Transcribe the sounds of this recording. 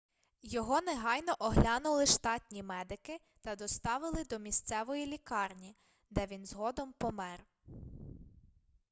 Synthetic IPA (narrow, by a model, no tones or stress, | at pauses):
jɔɦɔneɦɑjnɔʔɔɦlʲɑnʊlˠɪʃt̪ɑtʲnʲimɛd̪ɪkɪ | t̪ɐd̪ɔst̪ɑʋɪlˠɪd̪ɔmʲist̪sɛʋɔjilʲikɑrnʲi | d̪ɛʋʲinzɦɔd̪ɔmpɔmɛr